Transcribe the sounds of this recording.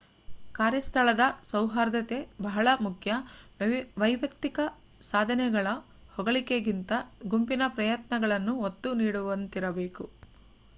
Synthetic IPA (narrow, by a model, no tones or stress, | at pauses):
kaːɾjɐst̪ʰɐɭɐd̪ɐsɐwɦaːɾd̪ɐt̪e̞bɐɦɐɭɐmukʰjɐ | ʋɐjʋjɐkt̪ikɐ | saːd̪ʱɐnɛɡɐɭɐ | hɔɡɐɭikeɡint̪ɐɡumpinɐpɾɐjɐt̪nɐɡɐɭɐnːuot̪ːuniːɽuʋɐnt̪iɾɐbe̞ːku